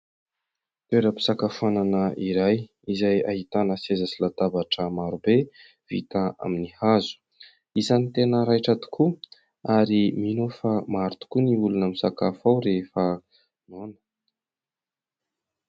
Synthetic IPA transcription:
t̪eɾəpi̥sakafananəʔiɾaj | izaja̰hit̪anəsezasilat̪abaʈ͡ʂəmaɾube | v̥ḭt̪aa̰minihazu̥ | izanit̪enəɾajʈ͡ʂat̪u̥kʰu | aɾiminofamaɾut̪u̥kuniulunəmisakafawɾefə | nonə̥

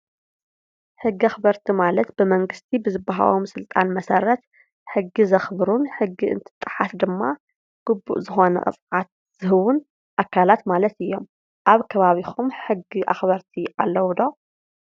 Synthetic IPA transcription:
ħɨɡːiaxbɐɾt̪ʰimalɐt̪bɨmɐŋɡɨst̪ʰibɨzɨbaɦa̰womsɨlt̪ʼanmɐsɐɾɐt̪ | ħɨɡːizɐxbɾunħɨɡːiɨ̰nt̪ʰɨ̥t̪ʼːɨħasd̪ɨmːa | ɡ̥ɨbːṵʔzɨxo̞nɐ̰kʼɨ̰t͡sʼʕat̪̚ | z̥ɨɦɨβun | ʔakʰːalat̪malɐt̪ɨjːo̞m | ʔaβkʰɐβaβikʰumħɨɡːiʔa̰xβɐɾt̪ʰiʔalːɐwd̪o

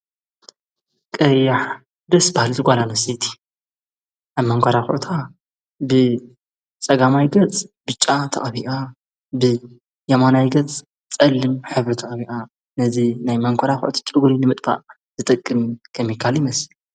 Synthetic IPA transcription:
kʼɐjːaħ | d̪ɐsbahalzʰɨɡʷʼalanɐsit̪ʰi̥ | ʔaβmɐŋkʷʰaɾaxʊ̰ʕt̪ʰa | bɨ | t͡sʼɐɡamajɡɐt͡sʼb̥ɨt͡ʃʼːat̪ʰɐ̰χʼβiʔa | bɨ | jɐmanajɡɐt͡sʼ | t͡sʼɐlːɨmħɨβɾit̪ʰɐχʼbiʔa | nɐzinajmɐŋkʷʰɐɾaxʊ̰ʔʊt̪ʰi̥t͡ʃʼɨɡlinɨmɨt̪ʼfa̰ʔ | zɨt̪ʼɐkʼːɨmkʰɐmːjikʰːaljimɐsi

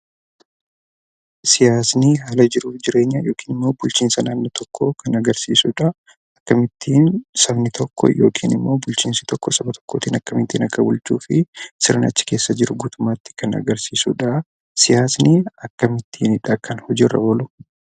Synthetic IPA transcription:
sɪjaːsniːɦaːlɐd͡ʒɪɾuːfd͡ʒɪɾe̞ːɲːajo̞ːkʰiːnɪmːo̞ːbʊlt͡ʃiːnsɐnaːnːɔt̪ʰɔkʰːokʰɐnɐɡɐɾsiːsuːᶑɐ | ɐkːɐmɪt̪ʰːiːnsɐbnɪt̪ʰɔkʰːɔ̰jo̞ːkʰiːnɪmːo̞ːbʊlt͡ʃiːnsɐ̥t̪ɔkːɔsɐbɐt̪ʰɔ̥kːoːt̪iːnɐkːɐmɪt̪ːiːnɐkːɐbʊlt͡ʃːuːfɪsɪɾɐnɐt͡ʃːɪ̥ke̞ːsːɐd͡ʒɪɾʊɡuːt̪ʊmːaːt̪ːɪ̥kɐnɐ̰ɡɐɾsiːsuᶑɐ | sɪjaːsniːɐkːɐmɪt̪ʰːiːnɪᶑɐkɐnhɔd͡ʒɪrːɐ̰bɔlʊ

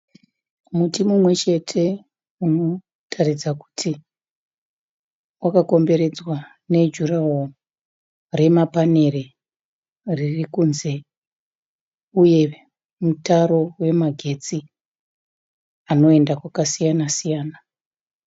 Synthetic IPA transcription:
mutimumwe̞t͡ʃe̞tʰe̞ | uno̞ | tʰarid͡zaku̥tʰi | wakako̞mbe̞ɾe̞d͡zwa | ne̞d͡ʒurawo | re̞mapane̞ɾe | ririkunze̞ | uje̞ | mutaɾo̞we̞maɡʱe̞t͡si | ano̞e̞ndakwakasijanasijaːna

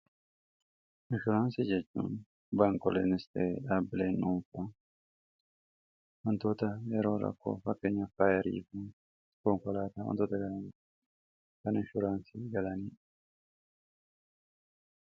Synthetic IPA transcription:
ɪnʃʊɾaːnsid͡ʒɛt͡ʃːṵːn | baŋkɔlḛnɪst̪eɐbɪleːnːuːɱfɐ | wɔnt̪oːt̪ɐjɛɾo̞̰ːɾɐ̰kːo̰ːfɐkːeːɲːɐfaːjɛɾḭːfu | kɔŋkɔlaːt̪aːwɔ̰nt̪oːt̪ɐɡɐɐɛ | kɐnɪnʃʊɾaːnsiɡɐlɐniː

